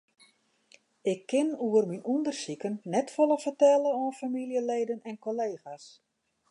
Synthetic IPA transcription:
ɪkʰːɪnuərminundərsikənːɛtfoləfərtɛləoənfamilˠjəleːdənɛnkoleːxas

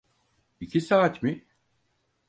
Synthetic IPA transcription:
icʰisaːt̪mi

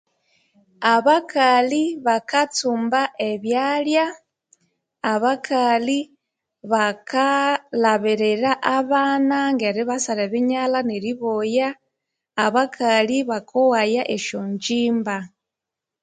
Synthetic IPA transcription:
aβakaliβakat͡sumbaʔeβjalja | βakʰali | βakalaβiɾeɾaʔaβaːnaŋɡeɾiβasaleβiɲalaneɾiβojaː | βakʰaliβakʰowajaʔeʃoɲd͡ʒiːmba

